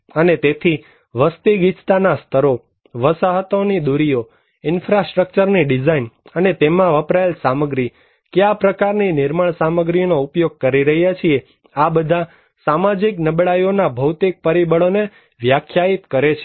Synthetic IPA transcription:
ənet̪et̪ʰi | ʋəst̪iɡit͡ʃt̪anast̪ʰəɾo | ʋəsaɦət̪onid̪uɾio | ɪnfɾasʈɾək̚t͡ʃəɾniɖid͡ʒainənet̪emãʋəpɾajlsaməɡɾi | keapɾəkaɾninɪɾməɭsaməɡɾinoupjoɡ̚kəɾiɾəɦjat͡ʃʰie | abəd̪ʱã | samad͡ʒiknəbɭajonabʱəwt̪ik̚pəɾibəɭone | ʋjakʰjait̪kəɾet͡ʃʰe̥

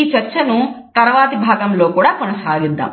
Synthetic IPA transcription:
iːt͡ʃɐɾt͡ʃɐnu | t̪ɐɾɐʋaːt̪ibʱaːɡɐmlo̞ːkuːɽaːkunɐsaːɡid̪ːa̰ːm

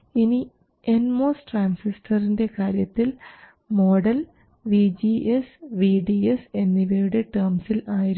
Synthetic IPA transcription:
ini | enmoːsʈraːnsistʰɐrinde̞kaːɾjɐt̪ːil | moːɽɐl | ʋid͡ʑiʔesʋiːɖiese̞nːiʋejuɽeʈɐrmsilaːjiɾ

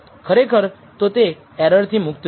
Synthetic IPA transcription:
kʰəɾekʰəɾ | t̪ot̪e | ɛɾəɾt̪ʰimʊkt̪

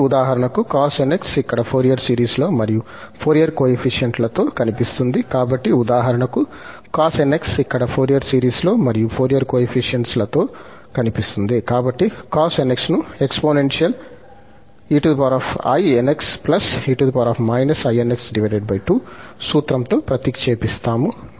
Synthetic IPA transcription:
ud̪aːɦɐɾɐɳɐkukaːseneksikːɐɽɐpʰoːɾijɐɾsiːɾiːslo̞ːmɐɾiju | pʰoːɾijɐɾkoːepʰiʂijɐɳʈlɐt̪o̞ːkɐnipist̪und̪ikaːbɐʈːiud̪aːɦɐɾɐɳɐku | kaːseneksikːɐɽɐpʰoːɾijɐɾsiːɾiːslo̞ːmɐɾijupʰoːɾijɐɾkoːepʰiʂjɐɳʈslɐt̪oː | kɐnipist̪und̪ikaːbɐʈːikaːseneksnuekspoːnenʂijɐl | iːʈud̪paːɾaːpɐ̰jeneksplɐsiːʈud̪paːɾaːpmɐjnɐsɐjeneksɖiʋɐjɖeɖ̚bɐjʈuːsuːt̪ɾɐmt̪o̞ːpɾɐt̪ikt͡ʃeːpist̪aːmu

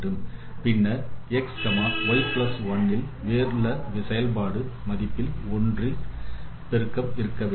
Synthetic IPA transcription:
ɯm | pɪnːɐɛkskɐmaːʋɐɪplɐsʋɐnːɪl | ʋeːɾɯlɐʋɪsɐjɐlpaːɽɯmɐðɪpːɪlɔndri | pɛɾɯkːɐmɪɾɯkːɐʋe

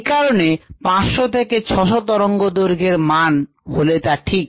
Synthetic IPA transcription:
kaɾonepãsʃot̪ʰeket͡ɕʰɔʃot̪ɔɾoŋɡod̪oɾɡʱeɾman | holet̪aʈʰik̚

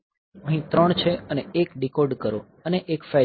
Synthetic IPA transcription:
ə̃ɦĩt̪ɾəɳt͡ʃʰeəneekɖikoɖkəɾo | əneʔekfɛ

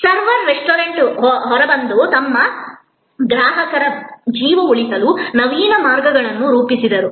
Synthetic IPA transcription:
sɐɾʋɐɾːesʈoːɾɐɳʈɦɔɦɔɾɐbɐnd̪ut̪ɐmːɐ | ɡɾaːɦɐkɐɾɐd͡ʒiːʋɐuɭisɐlunɐʋiːnɐmaːɾɡɐɡɐɭɐnːuɾuːpisid̪ɐɾu

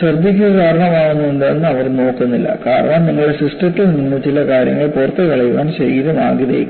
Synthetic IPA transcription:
sɐrd̪ik̬ʲːuɐkaːɾɐɳɐmaːɳunːueɳɖanːɨɐʋɐɾno̞ːkːunːilːɐ̰kaːrɐ̰ɳaːmniŋːɐɭesiʂʈɐʈːiininːut͡ɕilɐkaːɾjɐ̰ŋːɐɭepoːrt̪ːɐkɐɭɐjʋaːnɕeɾiiɾɐna̰ːɡiðḛjkː

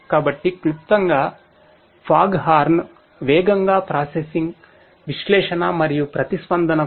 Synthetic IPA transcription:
kaːbɐʈːiklip̚t̪ɐŋɡa | pʰaːɡɦaːɾn | ʋeːɡɐŋɡaːpɾaːsesiŋɡ | ʋiʃlɛːʃɐnɐmɐɾijupɾɐt̪ispɐnd̪ʱɐnɐ

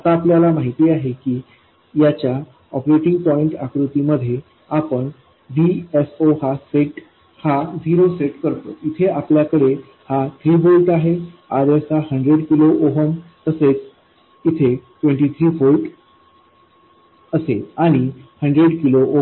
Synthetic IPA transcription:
ət̪aːpljalamaɦit̪iːaɦekiː | jat͡ɕja | ɔpɾeʈiŋɡ̚pɔiɳʈa̰kɾut̪iməd̪ʱːje | apəɳ | ʋiesohasekʈ | had͡ʑiɾoseʈkəɾt̪o̰it̪ʰeapljakəɽe | hat̪ʰɾiːfolʈaɦeaɾesahəɳɖɾeɽkiloʔoɦəmt̪əset͡s | it̪ʰeʈʋẽɳʈit̪ʰɾiːfolʈ | əseaɽ̃ihəɳɖɾeɽkiloʔo

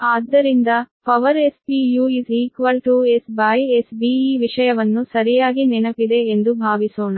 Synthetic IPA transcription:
aːd̪ːɐɾind̪ɐpɐʋɐɾespiːjuiziːkʋɐlʈuesbɐjesbiːiːʋiʂɐjɐʋɐnːusɐɾijaːɡininɐpid̪e̞ːnd̪ubʱaːʋisoːɳɐ

